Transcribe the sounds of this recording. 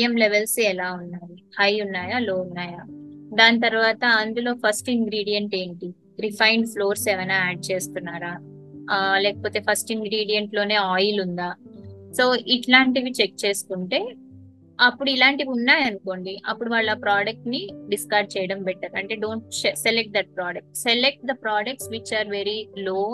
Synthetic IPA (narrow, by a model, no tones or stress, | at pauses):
emleʋelsɛlaːunːaːjihɐjunːaːjaːloːunːaːjaːd̪aːnt̪ɐɾuʋaːt̪ɐɐnd̪ulo̞ːpʰɐsʈiŋɡɾiːɽijeɳʈe̞ːɳʈi | ɾipʰɐjɳɖpʰlo̞ːɾsɛːʋɐjnaːaːɖ̚t͡ʃe̞ːst̪unːaːɾaː | lɛːkɐ̥po̞ːt̪e̞ːpʰɐsʈiŋɡɾiːɽijeɳʈlo̞ːne̞ːaːjilund̪aːso̞ːʔiʈlaːɳʈiʋit͡ʃek̚t͡ʃe̞ːsu̥kuɳʈe̞ː | ɐpːuɽuilaːɳʈiʋunːaːjɐnuko̞ːɳɖiʔɐpːuɽuʋaːɭːɐaːpɾaːɖɐk̚ʈniɖiskaːɾɖ̚t͡ʃɛːjɐɽɐmpɛʈːaːɾɐɳʈe̞ːɖo̞ːɳʈseselek̚ʈ̚d̪ɐʈ̚pɾaːɖɐk̚ʈselek̚ʈ̚d̪ɐpɾaːɖɐk̚ʈsʋit͡ʃaːɾʋeɾiloː